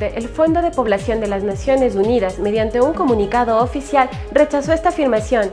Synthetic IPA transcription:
eʔelfo̞nd̪o̞ðe̞po̞β̞lasjo̞nd̪e̞laznasjo̞ne̞suniðazme̞ðjant̪e̞uŋko̞mũnikaðo̞ːfisjal | re̞t͡ʃaso̞est̪aːfiɾmasjo̞n

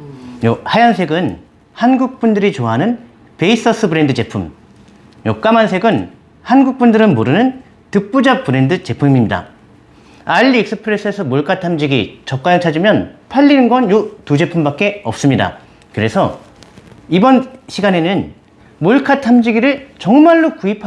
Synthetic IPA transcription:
johajansʰe̞ɡɯn | hanɡuk̚p͈undɯɾit͡ɕoaɦanɯn | pe̞is͈ʌs͈ʰɯbɯɾe̞ndɯd͡ʑe̞pʰum | jok͈amansʰe̞ɡɯn | hanɡuk̚p͈undɯɾɯnmoɾɯnɯn | tɯp͈ud͡ʑap̚p͈ɯɾe̞ndɯt͡ɕe̞pʰummiɲida̰ | aʎːiek̚s͈ɯpʰɯɾe̞s͈ʰɯesʰʌmoɭkʰatʰamd͡ʑiɡit͡ɕʌp̚k͈ajʌŋt͡ɕʰad͡ʑimjʌnpʰaʎːinɯnɡʌnjotud͡ʑe̞pʰumbak͈̚e̞ʌp̚s͈ɯmɲida̰ | kɯɾe̞sʰʌ | ibʌnɕʰiɡane̞nɯn | muɭkʰatʰamd͡ʑiɡiɾɯɭt͡ɕʌŋmaɭːokuipʰ

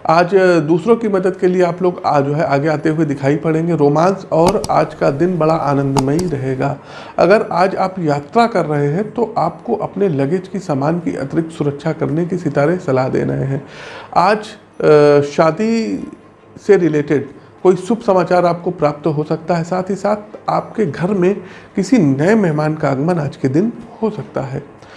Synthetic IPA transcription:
aːd͡ʒd̪uːsɾõkimɐd̪əd̪kelieaːploːɡad͡ʒoːɦɛʔaːɡeaːt̪eɦʊed̪ɪkʰaːipɐɽẽːŋɡeɾoːmãːnsɔːɾa̰ːd͡ʒkad̪ɪnbɐɽaʔaːnə̃nd̪maiɾɐɦeːɡaː | ɐ̰ɡəɾaːd͡ʒaːpjaːt̪ɾakɐɾːɐɦeɦɛ̃t̪oʔaːpkoʔɐpnelɐɡet͡ʃkisaːmaːnkiʔɐ̰t̪ɪɾɪk̚t̪sʊɾəkʃʰakɐɾnekisɪt̪aːɾẽsɐlad̪ḛːɾɐ̰ɦeɦɛ̃ːaːd͡ʒ | ʃaːd̪i | seɾɪleːʈɪɖ | koːisʊbʱsɐmaːt͡ʃaːɾaːp̚kopɾaːp̚t̪ɦosɐk̚t̪aɦɛsaːt̪ʰisaːt̪ʰaːpkeɡʱɐɾmẽkɪsinɐemɛɦmaːnkaɐɡmənaːd͡ʒked̪ɪnhosɐk̚t̪aɦɛː

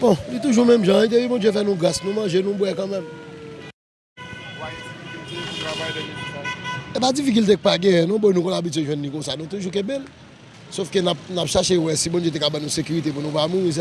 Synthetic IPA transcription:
bɔ̃lit̪uʒumɛ̃mʒãit̪̬epibɔ̃d͡zjefɛnũɡʁasnũmãʒenũbwɛkãmɛ̃m | adifiikylt̪ekũt̪ʁavajdɛ̃lĩkĩaepad͡zifik̬ilt̪̬ek̚paɡɛ̃ɛ̃nɔ̃bojnũkõlabityɥeʒwɛ̃nːĩkõsanũt̪uʒuk̬ɛ̃bel | sofkønap̚napʃaʃewɛsibɔ̃d͡ʒjet̪̬ekabãnũsekyʁit̪ep̬unũpamũĩs̬

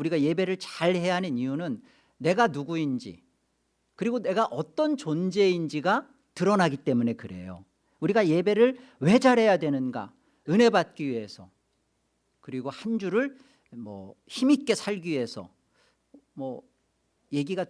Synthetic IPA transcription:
uɾiɡaje̞be̞ɾɯɭt͡ɕaɭhe̞jaɦanɯnijunɯnː | e̞ɡanuɡuind͡ʑḭ | kɯɾiɡone̞ɡaʔʌt͈ʌnt͡ɕond͡ʑe̞ind͡ʑiɡa | tɯɾʌnaɡit͈e̞mune̞kɯɾe̞̰jo̰ | uɾiɡaje̞be̞ɾɯɭwe̞d͡ʑaɾɦe̞jadwe̞nɯnɡa̰ | ɯne̞bat̚k͈iɥiɦe̞sʰʌ | kɯɾiɡohand͡ʑuɾɯɭ | mʌ̰çimik͈e̞sʰaɭɡiɥɦesʰʌ̰ | mʌ | je̞ɡiɡa

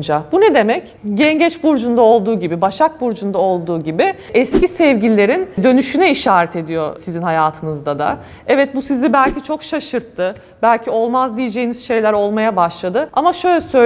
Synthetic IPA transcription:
nd͡ʒabunɛd̪e̞mɛc | ɟɛɲɟɛt͡ʃbuɾd͡ʒund̪ao̞lˠd̪uːɟibibaʃak̚buɾd͡ʒund̪ao̞lˠd̪uːɟibi | ɛscisɛvɟilʲlːʲe̞ɾind̪ø̞nyʃynɛiʃaːɾɛt̪ʰe̞d̪ijo̞sizinɦajaːt̪ʰɯnɯzd̪ad̪a̰ | ɛvɛt̪̚busizibælʲcʰit͡ʃʰo̞kʃaʃɯɾt̪ʰːɯ | bælʲcʰio̞lˠmazd̪ijed͡ʒe̞jiniz̥ʃe̞jlʲæɾo̞lˠmajabaʃlˠad̪ɯamaʃø̞jlʲɛsø̞

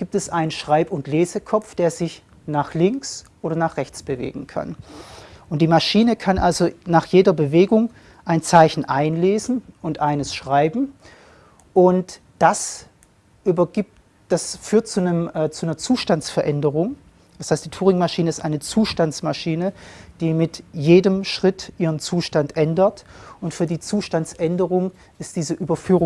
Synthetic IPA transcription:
ɡ̥iːp̚tɛsʔaɪnənʃʁ̥aɪpʊntleːzəkʰɔp͡fd̥eːɐzɪç | naːχlɪŋksʔoːɾɐnaːχʁ̥ɛçt͡sb̥əvḛːɡŋ̩kʰa̰n | ʔʊnt̚d̥iːmaʃiːnəkʰanʔalzonaːχjeːdɐbəveːɡʊŋ | ʔaɪnt͡saɪçn̩ʔaɪnleːzn̩ʊntʔaɪnəsʃʁ̥aɪbm̩ | ʔʊnt | d̥as | ʔyːbɐɡi | d̥asfyːɐt̚t͡sunəmːt͡sunɐt͡suːʃtant͡sfɛɐʔɛndəʁʊŋ | d̥ashaɪstd̥iːtʰuːʁɪŋmaʃiːnəɪstʔaɪnət͡suːʃtant͡smaʃiːnəd̥iːmɪtjeːdəmʃʁ̥ɪtʔiːʁənt͡suːʃtantʔɛndətʔʊntfyːɐdiːt͡suːʃtant͡sʔɛndəʁʊŋ | ɪstd̥iːzəʔyːbɐfyːʁʊ

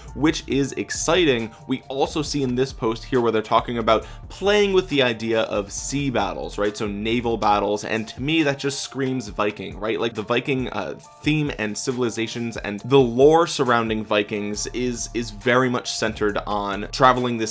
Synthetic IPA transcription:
wɪt͡ʃɪzɨ̰ksaɪɾɪ̃ŋwiɔlˠsoʊsiɨ̃nðɪspʰoʊst̚hiɹwə˞ðə˞tʰɔkɪ̃ŋɨbaʊt̚pʰl̥eɪɪ̃ŋwɨðiaɪdiɨʔʌv̥sibæ̰ɾl̩ˠz̥ɹaɪtsoʊneɪvl̩ˠbæɾl̩ˠzɨ̰̃ntʰɨmiðɨt̚d̥ʒ̥ʌstskɹĩmzvaɪkɪ̃ŋɹaɪʔ̚ˡlʔaɪk̚ðəvaɪkɪ̃ŋʌ̰ | θĩmɨ̰̃nsɪvl̩ˠəzeɪʃɨ̃nzɨ̰̃nðəlɔɹsə˞ãʊ̃ndɪ̃ŋvaɪkɪ̃ŋzɪzɪzvɛɹimʌt͡ʃsɛ̃ntʰə˞ɾn̩tʰɹ̥ævl̩ˠɪ̃ŋðɪ

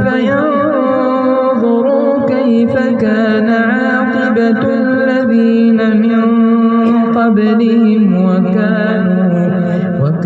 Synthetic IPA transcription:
fajan | ðˤʊɾuː | kajfakaːnaʕaɑːqɨba | lːaðiːnamɪn | qɑblɪhɪmwaka | ɾuː | wak

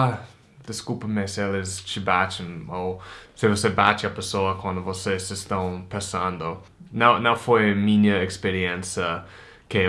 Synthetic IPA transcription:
a | d̪ɪskupɐmɪsɪelɪst͡ʃɪbat͡ʃɪ̃osɪvosebat͡ʃɪɐpesoɐkwɐ̃nd̪ʊvosesɪst̪ɐ̃w̃pẽsɐ̃nd̪ʊ | nãw̃nɐ̃w̃fojmĩɲɐekspeɾiɛ̃nsjɐ | kɪ

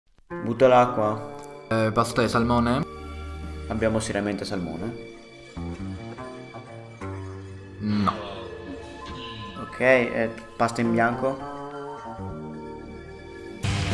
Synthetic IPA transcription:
but̪ːalakːwa | past̪aesalmɔːne | abjaːmoseɾjament̪esalmo̰ːne | nɔ | okʰɛjɛpast̪aimbjaŋko

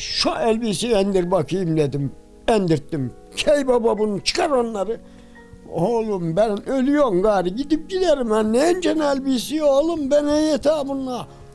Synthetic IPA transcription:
ʃuʔɛlʲbiːsiɛnd̪iɾbakʰɯjɯmd̪ed̪im | ɛnd̪iɾt̪ːim | cʰɛjbababunut͡ʃʰɯ̥kʰaɾonːˠaɾɯ | olˠumbænølʲyjomɡaːɾiɟid̪ip̚ɟileɾimænːɛnd͡ʒɛnɛlʲbisiolˠumbɛnɛet̪ʰaːbunːa

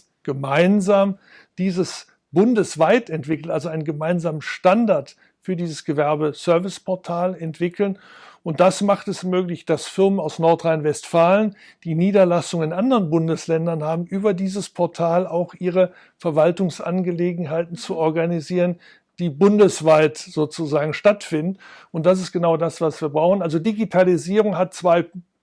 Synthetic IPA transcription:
ɡ̥əmaɪnzaːm | d̥iːzəs | b̥ʊndəsv̥aɪtɛntv̥ɪkl̩nalzoaɪnənɡəmaɪnzaːmənʃtandaɐt | fyːɐdiːzəsɡ̥əvɛɐbəsœɐvɪspʰɔɐtʰaːlɛntv̥ɪkʰl̩n | ʔʊnt̚d̥asmaχtɛsmøːklɪçd̥asfɪʁɐmənaʊsnɔɐtʁaɪnvɛstfaːlən | d̥iːniːdɐlasʊŋɪnʔandəʁənbʊndəslɛndɐnhaːbm̩ʔyːbɐdiːzəspʰɔɐtʰaːlaʊxʔiːʁə | fɛɐvaltʊŋsʔa̰nɡəleːɡŋ̩ɦaɪtn̩t͡suɔɐɡaniziːʁən | d̥iːbʊndəsv̥aɪtz̥oːt͡suzaːɡŋ̩ʃtatfɪndn̩ | ʊnt̚d̥as̬ɪstɡ̥ənaʊdasv̥asv̥iːɐbʁaʊxn̩ʔalzodiɡitʰaliziːʁʊŋɦat̚t͡sv̥aɪ

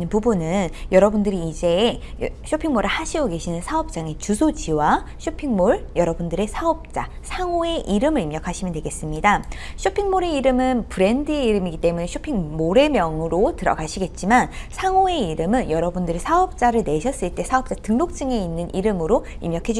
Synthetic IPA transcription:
nɯnpubunɯnjʌɾʌbundɯɾiːd͡ʑe̞ | ɕʰopʰiŋmoɾɯɭhaɕʰiɡoɡe̞ɕʰinɯnsʰaʌp̚t͡ɕ͈aŋe̞t͡ɕusʰod͡ʑiwaɕʰopʰiŋmoɭjʌɾʌbundɯɾe̞sʰaʌp̚t͡ɕ͈a̰ | sʰaŋoe̞ʔiɾɯmɯɾimɲʌkʰaɕʰimjʌndwe̞ɡe̞s͈ɯmɲidaɕʰopʰiŋmoɾe̞iɾɯmɯnpɯɾe̞ndɯe̞iɾɯmiɡit͈e̞mune̞ɕʰopʰiŋmoɾe̞mjʌŋɯɾotɯɾʌ̰ɡaɕʰiɡe̞t̚t͡ɕ͈imansʰaŋoe̞iɾɯmɯnjʌɾʌbundɯɾisʰaʌp̚t͡ɕ͈aɾɯɭne̞ɕʰʌs͈ɯɭt͈e̞sʰaʌp̚t͡ɕ͈atɯŋnok̚t͡ɕ͈ɯŋe̞inːɯnʔiɾɯmɯɾoimɲjʌkʰe̞d͡ʑ

